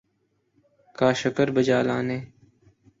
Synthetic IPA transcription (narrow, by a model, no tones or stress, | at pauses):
kaːʃəkəɾbəd͡ʒaːlã̰ːnẽː